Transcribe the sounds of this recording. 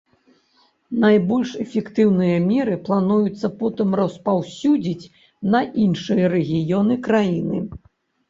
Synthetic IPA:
najbɔlʲʂɛfʲɛkt̪ɨwnɨjɐmʲɛɾɨplˠanujut̪sːɐpɔt̪ɨmrɐspawsʲud͡zʲit͡sʲ | nɐʔinʂɨjɐɾɛɣʲijɔnɨkɾajinɨ

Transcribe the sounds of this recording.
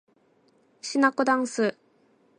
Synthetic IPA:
ɕinakod̪ãɰ̃sɨ

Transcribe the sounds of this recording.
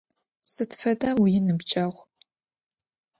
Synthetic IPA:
sɨtfɐdɐwjɪnɨbt͡ʃʼɐʁʷ

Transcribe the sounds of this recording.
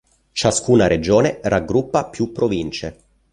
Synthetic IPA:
t͡ʃaskuːnaɾed͡ʒoːnerʔaɡːɾupːapjupːɾovint͡ʃe

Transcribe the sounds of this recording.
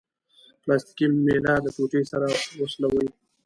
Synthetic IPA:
plɑst̪i̥kimelɑd̪əpoʈesaɾawəslawəji

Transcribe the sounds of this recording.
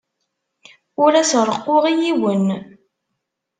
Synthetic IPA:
ʊɾæsɾˤəqːoʁijiwən

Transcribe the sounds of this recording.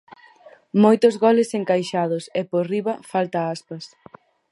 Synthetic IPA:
mojt̪ʊzɣɔlɪseŋkajʃaðʊsɛporiβɐfalt̪ɐaspɐs

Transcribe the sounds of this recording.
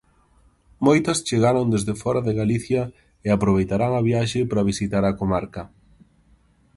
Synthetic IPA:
mojt̪ɐst͡ʃeɣaɾond̪ezðefɔɾɐðɪɣaliθjɐ | ɪapɾoβ̞ejt̪aɾaŋɐβiaʃɪpɾɐβ̞isit̪aɾɐkomaɾkɐ

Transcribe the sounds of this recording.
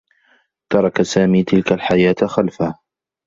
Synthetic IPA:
t̪ɑɾˤɑkasaːmiːt̪ɪlkalħajaːt̪xalfah

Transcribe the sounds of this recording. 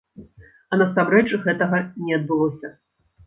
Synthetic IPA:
ɐnɐsamɾɛt͡ʂɣɛt̪ɐɣɐnʲɛɐd̪̚bɨlˠɔsʲɐ

